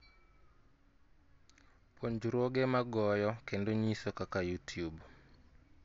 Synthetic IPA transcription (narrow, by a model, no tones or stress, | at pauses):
pʰoɲd͡ʒuɾoɡemaɡɔjɔkendoɲisokakajutjub